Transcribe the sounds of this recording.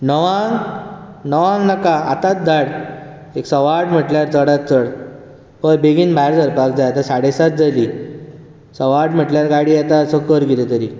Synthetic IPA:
nəʋãŋ | nəʋãŋɡnəkaa̰t̪at̪̚d̪aɽ | eksəʋaɽm̤əʈljaɾt͡səɽat̪̚t͡səɽ | pəɾbeɡinbʱaeɾd͡zəɾpak̚d͡zajat̪asaɽesat̪̚d͡zali | səʋaʈm̤əʈljaɾɡaɽijat̪asəkəɾɡilet̪əɾi

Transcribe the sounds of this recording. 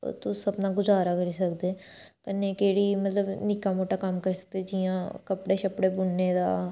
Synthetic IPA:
t̪ʊsəbnaːɡʊzaːɾaːkəɾiːsəkd̪eː | kəneːkeːɽiːmət̪ləbnɪkaːmoːʈaːkəmkəɾsə̥k̚d̪eːd͡ʒijãːkəpɽeːʃəpɽeːbʊnːeːd̪a̰ː

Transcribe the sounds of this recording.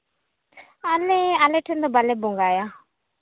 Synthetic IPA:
alɛalẽʈʰend̪obalɛbʊŋɡaːja

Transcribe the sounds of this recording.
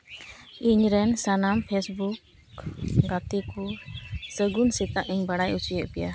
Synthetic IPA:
iɲɾɛnsanampʰɛsbuk | ɡat̪ikusəɡunsit̪aʔiɲbaɽajut͡ʃijəʔbɛja

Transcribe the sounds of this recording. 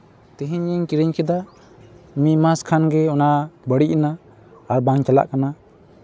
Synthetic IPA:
t̪iɦiɲiɲkiɾiɲkɛd̪a | mimaskʰanɡɛɔnabəɽiʔnaː | ɾbaŋt͡ʃala̰ʔkana

